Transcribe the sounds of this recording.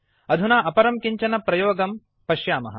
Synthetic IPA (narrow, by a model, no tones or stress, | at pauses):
ɐd̪ʱunaːʔɐpɐɾɐmkiɲt͡ʃɐnɐpɾɐjoːɡɐm | pɐʃjaːmɐɦɐ̰̆